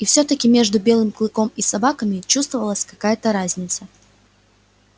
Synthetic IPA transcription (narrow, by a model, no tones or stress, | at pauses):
ifsʲot̪əkʲɪmʲe̞ʐd̪ʊbʲe̞lˠɨmklˠɨko̞misɐbakəmʲɪt͡ɕust̪vəvəlˠəsʲkɐkajət̪əɾazʲnʲɪt̪sə